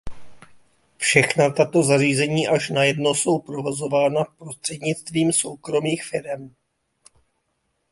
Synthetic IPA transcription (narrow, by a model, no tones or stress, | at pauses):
fʃɛxnat̪at̪o̞zariːzɛɲiːʔaʃnajɛdno̞so̞wpɾo̞vozo̞vaːnapɾo̞st̪r̝̥ɛdɲɪt͡st̪viːmso̞wkɾo̞miːxfɪɾɛm